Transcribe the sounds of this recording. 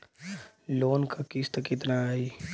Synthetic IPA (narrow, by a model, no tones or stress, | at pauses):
loːnkakɪst̪əkɪt̪naaːiː